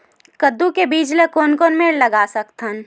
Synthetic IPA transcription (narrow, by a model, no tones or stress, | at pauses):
kəd̪ːukebiːd͡ʒlekoːnkoːnmeɽlɐɡaːsɐkt̪ʰən